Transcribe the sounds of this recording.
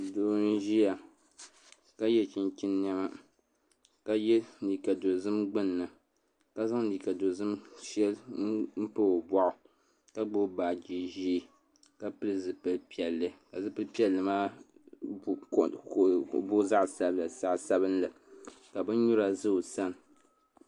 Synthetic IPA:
doː˨˦n̩˦ʒi˦ja˨ | ka˦jɛ˦t͡ʃi˦n˦t͡ʃʲi˦nː˦a˦ma˦ | ka˦jɛ˦˨i˨ka˨do˨zɨ˦mɡ͡bɨ˦nː˨ɨ˨ | ka˦za˦ŋ˦li˨ka˨do˨zɨ˦mʃɛ˦lm̩˦pɨ˦o˨bɔ˦ʔʊ˨ | ka˦ɡ͡bo˦baː˨d͡ʒi˦ʒi˦ | ka˦pɨ˦lɨ˦zɨ˨pɨ˨lpi˨ɛ˨lːɨ˦ka˨zɨ˦pɨ˦pi˦ɛ˨lːɨ˨maː˦˨ | bo˦za˦ʔsa˦bla˨sa˦ʔsa˦βɨ˦nla˨ | ka˨bɨ˦n˦ɲu˦ɾa˨zɨ˦˨sa˦n˨

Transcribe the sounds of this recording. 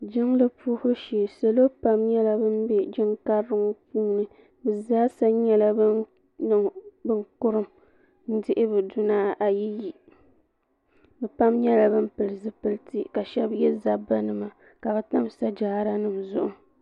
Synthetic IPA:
d͡ʒɪ˦ŋlɨ˦pʰuː˦hʊ˦ʃiː˨sa˨lo˦pa˦mɲɛ˦la˨bɨ˦nbɛ˦d͡ʒɪ˦ŋka˦ɾːɨ˦ŋ˦puː˦nɨ˦ | bɨ˨zaː˦sa˦ɲɛ˦la˦b | nɨ˨ŋbɨ˦ŋkʊ˦ɾɨ˦˨m | n̩˦dɪ˦ʔɪ˦bɨ˨dʊ˦naː˦ʔa˨ji˦ji˨ | bɛ˨pa˦mɲɛ˦la˨bɨ˦m˦pɨ˨lɨ˨zɨ˨pɨ˦ltɨ˦ka˨ʃɛ˦bjɛ˦za˦ba˦nɨ˦ma˨ | ka˨bɛ˨ta˦msa˦d͡ʒaː˦˨˦ɾa˦nɨ˨mzʊ˨ʔʊ˨

